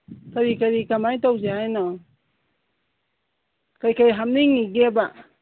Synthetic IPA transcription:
kaɾikaɾikamajtawzeajnɔ | kajkajɦamniŋiɡeba

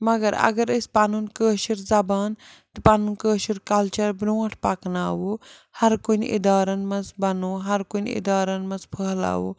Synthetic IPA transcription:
mɐɡɐɾɐ̰ɡɐɾəspanunkəːʃiɾzɐbaːn | t̪ɨpanunkəːʃiɾkɐlt͡ʃɐɾbnoːɐʈʰpaknaːwo | hɐɾkunḭd̪aːɾɐnmɐzbɐnoːɦɐɾkonḭd̪aːɾɐnmɐ̃nzpʰəɦla̰ːʋo̰

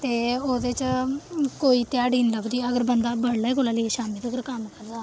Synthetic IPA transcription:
t̪eːoːd̪et͡ʃ | koːiːt̪ɪjaːɽiːnləbd̪iːəɡəɾbənd̪aːbəɽleːɡolaːləeʃaːmiːd̪əɡəɾkəmkəɾd̪aː

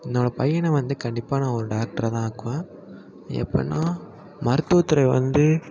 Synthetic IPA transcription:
ɪnːoːɽɐpɐjɐnɛʋɐnd̪ɯkɐɳɖɪpːaːnãːɔɾɯɖaːk̚ʈɐɾɐt̪ãːaːkːɯʋẽː | ɛ̰pːɐ̰nːãː | mɐɾɯt̪ːuːt̪ːɪɾɐɪʋɐ̰nd̪ɯ

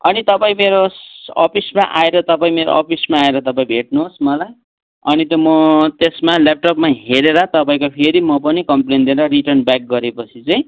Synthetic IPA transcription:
ʌnit̪ʌpaĩmeɾosʌ̰pʰismaʔa̰eɾʌt̪ʌpaĩmeɾo̰ʔʌpʰismaːeɾʌt̪ʌpaĩbʱeʈ̚nuɦosmʌlaj | ʌnit̪omʌt̪esmalap̚ʈʌpmaɦeɾeɾʌt̪ʌpaĩkopʰeɾimʌpʌnikʌmplend̪ineɾʌɾiʈʌrnbak̚ɡʌɾepʌt͡sʰit͡sʌĩ

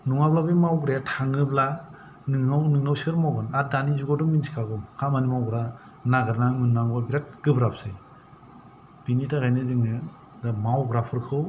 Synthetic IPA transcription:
nuŋablabimawɡɾejatʰaŋɯbla | nɯŋnawnɯŋnawsɯɾmawɡɯnadanizuɡɔdɔŋminsi̥kʰaɡɔmkʰamanimawɡɯɾa | naɡɯɾnamɯnːaŋbabiɾat̚ɡ̥ɯbɾapsɯj | b̥initʰaɡajnɯzɯŋnɯ | damawɡɾapʰɯɾkʰɯw

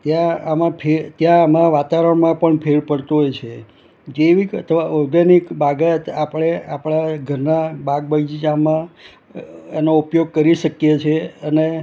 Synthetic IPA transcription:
t̪jãamãpʰet̪jãːmãʋat̪aʋɾəɳmãpəɳpʰeɭpəɽt̪uɦojt͡ʃʰe | d͡ʒeʋikə̰t̪ʰəʋaɔɾɡanikbaɡat̪apəɽ̃eʔapɽaɡʱəɾnabaɡ̚baɡd͡ʒid͡ʒamã | enoupjoɡ̚kəɾiʃəkjet͡ʃʰeəne

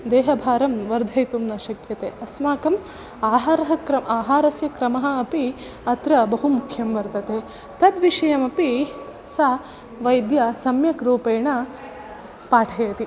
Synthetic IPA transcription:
d̪eːɦɐbʱaːɾɐmʋɐɾd̪ʱɐjt̪umnɐʃɐkjɐt̪eːɐsmaːkɐm | aːɦaːɾɐɦɐkɾɐmaːɦaːɾɐsjɐkɾɐmɐɦɐ̆ɐpi | ɐt̪ɾɐbɐɦumukʰjɐmʋɐɾt̪ɐt̪eː | t̪ɐd̪ʋiʃɐjɐmɐpi | sa | ʋɐjd̪jɐsɐmjɐkɾuːpeːɳɐ | paːʈʰɐjɐt̪i

